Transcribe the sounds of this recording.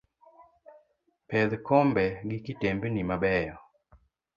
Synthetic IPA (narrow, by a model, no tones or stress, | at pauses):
pɛd̪kɔmbɛɡɪkɪtembnimabɛjɔ